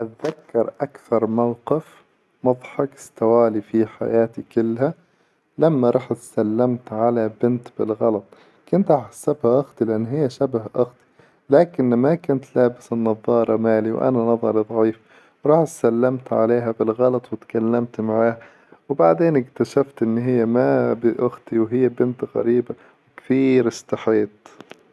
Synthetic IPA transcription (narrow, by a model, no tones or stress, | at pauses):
ʔat̪ðakːɑɾˤʔakθɑɾˤmawqɪf | mɑd̪ˤħɑkɪ̥st̪awaːlifiħa̰jaːt̪ikʊlːha | lamːaɾˤɑːħt̪salːamt̪ʕalabɪnt̪bɪlɣɑlɑt̪ˤ | kʊnt̪ʔɑːħsːabhaʔʊɣt̪ˤilɪʔanːhɪjːaʃabhʔʊɣt̪ˤi̥ | laːkɪnmakʊnt̪laːbɪsɪnːɑðˤːɑːɾˤɑmaːliw̰ʔa̰nanɑðˤɑɾˤid̪ˤʕiːf | wɾˤɑːħt̪salːamt̪ʕa̰leːɦabɪlɣɑlɑt̪ˤwɪt̪kalːamt̪maʕaːha | wbaʕd̪eːnɪkt̪aʃaft̪ʔɪnːɦɪjːamabɪʔʊxt̪iwɦɪjːabɪnt̪ɣæ̰ɾiːba | wkθiːɾɪst̪ɪħeːt̪ˤ